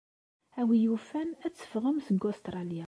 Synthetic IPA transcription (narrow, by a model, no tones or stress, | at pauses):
æwijufænæt͡sːə̥fʁəmsəɡost̪ɾˤɑlija